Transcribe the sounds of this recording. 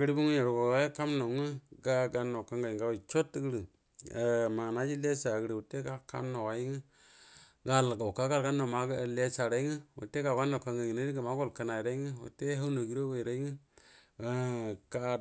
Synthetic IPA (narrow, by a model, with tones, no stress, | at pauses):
ɡɾi˦bu˦ŋ˦je˨ɾo˨ɡo˨˦ka˦mno˨ŋɨ˦ɡa˦ɡa˧no˨ka˦ŋɡa˨ŋɡa˦wo˨t͡ʃo˦tɡə˦ɾi˨ | ma˨na˦d͡ʒi˦le˦sa˨ɡə˦ɾi˨wu˨te˦ka˨ka̰˦mno˨wa˨i˦ŋɨ˦ | ɡa˨lɡa˨ka˦ka˦ɾɡa˦no˨ma˨˦ɡle˦sa˨ɾa˨˦i˦ŋɨ˦wo̰˨te˦ka˨ka˦no˨ka˧ŋɡa˨ŋ˨e˦ɾi˦ɡa˨ma˦ɡo˦lka˨˦na˨i˨ɾa˦i˦ŋɨ˦wṵ˨te˦ɦa˦wno˨ɡi˦ɾo˦we˨ɾa˦i˦ŋɨ˦ | ka˦